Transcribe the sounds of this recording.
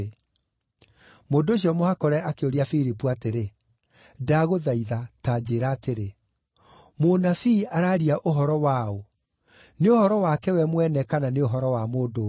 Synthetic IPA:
moːndoːɕ̬iɔmohakɔɾɛʔakeoɾiafiɾipuateɾe | daɣoðaiðataːd͡ʑeːɾaːteɾe | monafiːaɾaːɾiaʔoɦɔɾɔwao | neohɔɾɔwakɛwɛmwɛnɛkananeoɦɔɾɔwamoːdo

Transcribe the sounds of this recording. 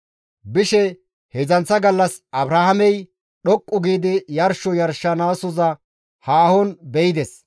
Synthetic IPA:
bɪʃɛ | hɛzɐnt͡sːɐɡɐlːɐsɐbɾaːhɐmɛj | ɗɔkʼːʊɡiːd̪ɪjɐɾʃɔjɐɾʃːɐnaːsɔzɐ | haːhɔnbɛjɪd̪ɛs

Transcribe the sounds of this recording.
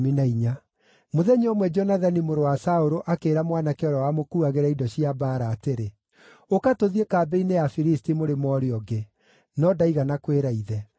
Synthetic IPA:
minaiɲa | moðɛɲɔmwɛd͡ʒɔnaðanimoɾowasaoɾoʔakeːɾamwanakɛɔɾawamokuaɣeɾaidɔɕiabaːɾaːteɾe | okatoðiekaːbɛinejafiɾistimoɾemɔːɾeɔɡe | nɔdaiɣanakweɾaiðɛ

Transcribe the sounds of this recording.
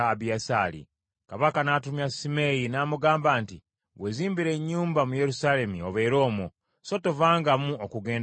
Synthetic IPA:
βjasalḭ | kaβakanatumjasimejinamuɡaːmbaːnti | βweziːmbiɾe̞ɲːuːmbamuje̞ɾusaːle̞mio̞βe̞ːɾo̞ːmo | so̞to̞vaːŋɡamuokuɡe̞ːn

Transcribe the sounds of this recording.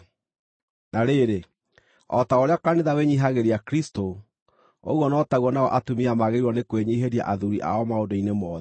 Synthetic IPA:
naɾeːɾe | ɔtaoɾeakaneðaweɲiɦaɣeɾeakɾisto | o̰ɣwɔnɔːtaɣwɔnaɔʔatumiamaɣeiwɔnekweɲiɦeɾia̰ʔaðuɾiʔa̰ɔmaodoinemɔːðɛ

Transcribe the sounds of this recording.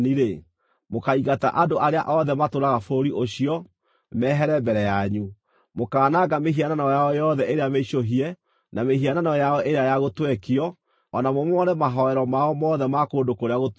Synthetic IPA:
niɾe | mokaiɣata̰ʔadoʔaɾeaʔɔðɛmatoɾaɣafoɾiʔoɕiɔ | mɛɦɛɾɛmbɛɾɛjaɲu | mokaːnaɡameɦiananɔjaɔjɔðɛʔeɾeameɕoɦiɛ | nameɦiananɔjaɔʔeɾeajaɣotwɛkiɔ | ɔnamɔmɔɾɛmaɦɔɛɾɔmaɔmɔðɛmakoːndokoɾeaɣo

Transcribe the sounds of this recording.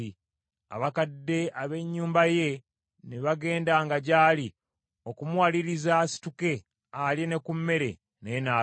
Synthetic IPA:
i | a̰βakadːe̞aβe̞ɲːuːmbaje̞ | neβaɡe̞ːndaŋɡaɟaːli | o̞kumuwaliɾizasi̥tuke̞ | aljene̞kumːe̞ɾe̞̰ | nenaː

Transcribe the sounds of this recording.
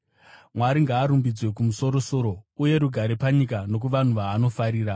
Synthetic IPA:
mwaɾiŋɡaːɾumbid͡zwe̞kumuso̞ɾo̞so̞ɾo̞uje̞ɾuɡʱaɾepaɲikano̞k̬uʋan̤uʋaːno̞faɾiːɾa

